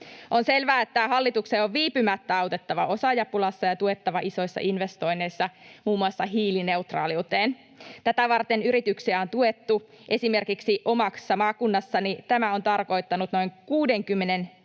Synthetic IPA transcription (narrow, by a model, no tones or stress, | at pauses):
ʔo̞nselʋæːet̪ːæhɑlːit̪ukseːoʋʋiːpymæt̪ːæɑwt̪e̞t̪ːɑʋɑʔosɑjɑpulɑsːɑjɑt̪uet̪ːɑʋɑʔiso̞jsːɑ̰ʔinʋe̞st̪o̞ine̞jsːɑmuːmːuɑsːɑɦiːlineut̪rɑ̰ːliut̪eːn | t̪æt̪æʋɑrt̪enyɾit̪yksiæo̞nt̪uet̪ːu | ʔe̞sime̞rkiksiʔo̞mɑksːɑmɑːkunːɑsːɑnit̪æmæo̞nt̪ɑrko̞jt̪ːɑnut̪noiŋkuːde̞ŋkymːenen